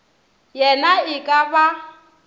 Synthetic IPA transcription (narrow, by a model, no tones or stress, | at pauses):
jɛnaɪkʼaba